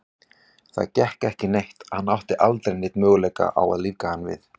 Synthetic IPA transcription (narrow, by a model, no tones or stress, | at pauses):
θa̰ðcɛhkɛhcɪnejht̪ahanːawht̪ɪʔalt̪ɾejnːɪt̪mœːɣʏlɛjka̰ʔa̰wa̰ðliːvkahanːvɪ̰θ